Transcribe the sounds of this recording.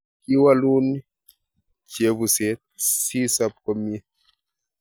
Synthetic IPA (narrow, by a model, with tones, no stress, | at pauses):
ki˦wa˦lu˦ni˦ | t͡ʃe˨˦βu˨se˨˦t̚si˦sa˦p̚kɔ˦mie˦